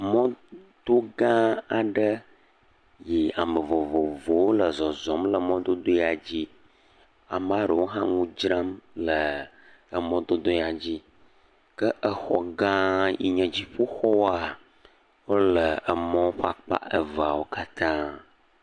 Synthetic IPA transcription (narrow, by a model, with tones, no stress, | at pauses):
mɔ̃˦d̪o˦ɡã˦a˨ɖə˦ | ji˨a˨mə˨vo˨vo˨vo˨wo˦lə˨zɔ˨zɔ˨˦mlə˨mɔ̃˦d̪o˦d̪o˦i˦a˨d͡ʑi˦ | a̰˨mã˦ɖə˨wo˦ɦã˦ŋũ˦d͡ʒɾã˦mlə˨ | ə˨mɔ̃˦d̪o˦d̪o˦˨a˨d͡ʑi˦ | kə˦ʔə˦xɔ˨ɡã˦jḭ˨ɲɛ̃˨d͡ʑi˦ɸo˦xɔ˦wa˨ | wo˦lə˨ə˨mɔ̃˦wo˦ɸa˨k͡pa̰˦ʔə˨va˨wo˦ka˦t̪ʰã˦